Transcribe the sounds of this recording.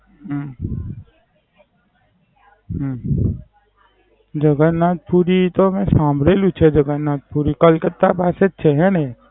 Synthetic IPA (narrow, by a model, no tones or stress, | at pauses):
ɦə | ɦ | d͡ʒəɡənːaːt̪̚puːɾit̪omɛ̃sãːmbʱɾeːlũt͡ʃʰed͡ʒəɡənːaːt̪̚puːɾikəlkət̪ːapaːset̪̚t͡ʃʰeɦɛ̃ne